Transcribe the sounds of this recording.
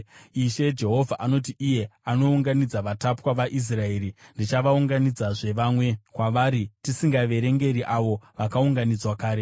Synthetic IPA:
iʃe̞d͡ʒe̞ɦo̞vʱaʔano̞t̬iʔije̞ano̞uŋɡanid͡zaʋatapwaʋaʔis̬rae̞ːɾindit͡ʃaʋauŋɡanid͡zaʐe̞ʋaːmwe̞kwaʋaːɾitisiŋɡaʋe̞ɾe̞ŋɡe̞ɾiʔaʋo̞ʋakauŋɡanid͡zwakaːɾe̞

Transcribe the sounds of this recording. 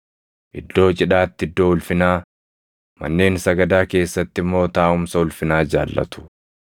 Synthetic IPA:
ʔɪd̪ːo̞ːt͡ʃʼɪᶑaːt̪ːɪɪd̪ːo̞ːʊlfɪnaː | mɐ̰nːe̞ːnsɐɡɐd̪aːke̞ːsːɐt̪ːɪmːo̞ːt̪aːʔʊmsɐʊlfɪnaːd͡ʒa̰ːlːɐ̰t̪ʊ̥

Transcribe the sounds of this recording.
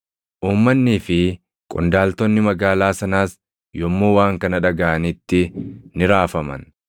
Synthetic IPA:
ʔuːmːɐnːɪːfɪ | kʼʊ̰nd̪aːlt̪ɔnːɪmɐɡaːlaːsɐnaːs | jɔmːuːwaːŋkɐnɐᶑɐɡɐʔɐnɪt̪ːɪnɪɾaːfɐmɐ̰n

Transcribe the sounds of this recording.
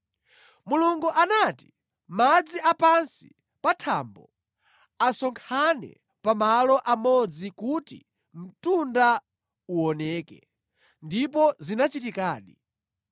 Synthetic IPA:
muluŋɡuʔanati | mad͡ziapansi̥ | patʰaːmbɔ | asɔŋkʰanɛ̰ | pamalɔʔamɔd͡zikutḭ | m̩tunda | uɔnɛːkɛ̰ | ndip̬ɔzinat͡ʃitikaːɗi

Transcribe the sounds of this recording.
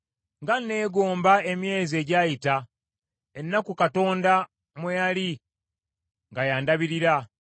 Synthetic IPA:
ŋɡanːe̞ːɡo̞ːmbae̞mje̞ːzie̞ɟaːjita | enːakukato̞ːnda | mwejali | ŋɡajaːndaβiɾiɾa

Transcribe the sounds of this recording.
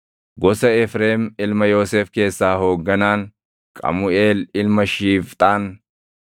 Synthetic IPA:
ɡɔsɐɛfɾe̞ːmɪlmɐjo̞ːseːfke̞ːsːaːho̞ːɡːɐnaːŋ | kʼɐ̰mʊeːlɪlmɐʃiːft̪ʼaːn

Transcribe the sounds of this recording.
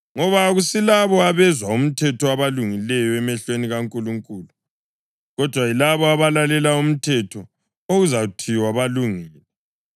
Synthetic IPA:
ŋɔβaɣusilaβɔaβɛzwaum̩tʰɛtʰɔaβaluŋilɛjɔɛmɛɬweniɣaŋkʼuluŋkʼuːlu | ɣɔd̥ʱwailaβɔaβalalɛlaum̩tʰɛtʰɔ | oɣuzautʰiwaβaluŋiːlɛ

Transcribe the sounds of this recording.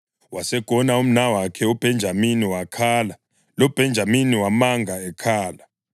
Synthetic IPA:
wasɛɡ̥ʱɔnaum̩nawakʰɛub̥ʱɛnd͡ʒʱaminiwakʰaːla | lɔb̥ʱɛnd͡ʒʱaminiwamaŋɡʱaɛkʰaːla

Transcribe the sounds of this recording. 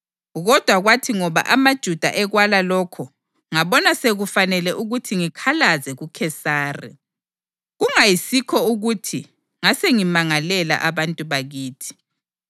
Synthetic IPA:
ɣɔd̥ʱwaɣwatʰiŋɔβa̰ʔamad̥ʒ̥ʱud̥ʱa̰ʔɛɣwalalɔkʰɔ | ŋaβɔnaseɣufanɛlɛʔuɣutʰiŋikʰalazɛɣukʰɛsaːrɛ̰ | ɣuŋajisikʰɔuɣutʰi | ŋaseŋimaŋalɛla̰ʔaβantʼuβaɣiːtʰi̥

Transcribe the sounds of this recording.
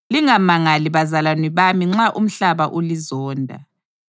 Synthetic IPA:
liŋamaŋaliβazalaniβamiŋ͡ǁaʔum̩ɬaβaʔolizɔːndʱa̰

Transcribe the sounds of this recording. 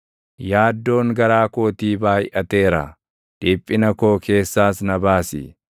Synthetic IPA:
jaːd̪ːo̞ːŋɡɐɾaːkoːt̪iːbaːjɪʔɐt̪e̞ːɾɐ̰ | d̪̥ɪpʼːɪnɐko̞ːkʰe̞ːsːaːsnɐbaːsɪ̰

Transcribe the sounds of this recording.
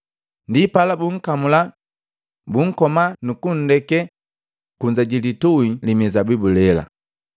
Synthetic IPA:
ndipalabuŋ̩kamula | buŋ̩kɔmanukun̩dɛkɛ | kuɲd͡ʒaɟilituilimizabibulɛla̰

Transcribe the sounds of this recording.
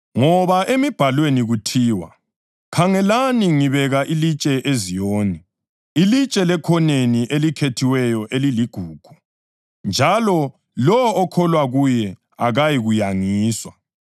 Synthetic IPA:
ŋɔβaʔemib̥ʱalweniɣutʰiːwa̰ | kʰaŋɛlaniŋiβɛɣaʔilit͡ʃʼɛʔezijoːnɛ | ilit͡ʃʼɛlɛkʰɔneniʔelikʰetʰiwɛjɔʔeliliɡ̥ʱuːɡ̥ʱu | nd͡ʒʱalɔ | lɔːkʰɔlwaɣujɛ | aɣajiɣujaŋiːswa

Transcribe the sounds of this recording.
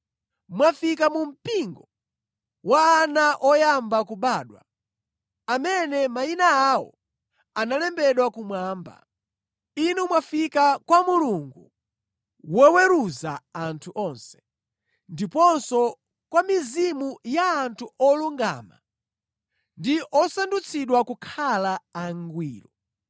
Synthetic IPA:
mwafikamum̩piŋɡɔ | waːnaʔɔjambakuɓaːɗwa̰ | amɛnɛmainaːwɔ̰ | analɛmbɛɗwakumwaːmba̰ | inumwafikakwamuluŋɡu | wɛwɛɾuzaantʰuʔɔnsɛ̥ | ndipɔnsɔ | kwamizimujaːntʰuʔɔluŋɡa̰ːma̰ | ndiʔɔsandut͡sʰiɗwakukʰalaaŋɡwiːlɔ

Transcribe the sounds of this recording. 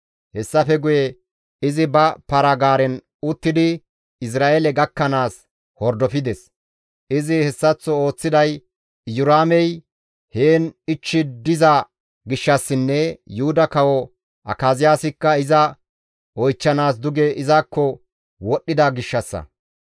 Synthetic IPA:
hɛsːɐfɛɡʊjɛ | ɪzɪbɐpɐɾɐɡaːɾɛn | ʊt̪ːɪd̪ɪ | ɪs̬ɾaːʔelɛɡɐkːɐnaːs | hɔɾd̪ɔfɪd̪ɛs | ʔɪzɪhɛsːɐt͡sːɔo̞ːt͡sːɪd̪ɐj | jʊɾaːmɛj | heːnɪt͡ʃːɪd̪ɪza | ɡɪʃːɐsːɪnːɛjʊhʊd̪ɐkɐwɔ | ʔɐ̰kaːzɪjaːsɪkːɐɪzɐ | ʔɔjt͡ʃːɐnaːs̬d̪ʊɡɛʔɪzakːɔ | wɔɗːɪd̪ɐɡɪʃːɐsːɐ̰

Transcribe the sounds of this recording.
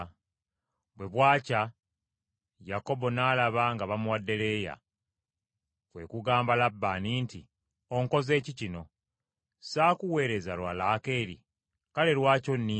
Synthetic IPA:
bwe̞βwaːca | jako̞bo̞naːlaβaŋɡaβamuwadːe̞le̞ːja̰ | kwe̞̰kuɡaːmbalabːaninti | o̞ŋko̞ze̞ːcicino̞ | saːkuwe̞ːɾe̞zalwalaːke̞ːɾḭ | kale̞lwaːco̞nːi

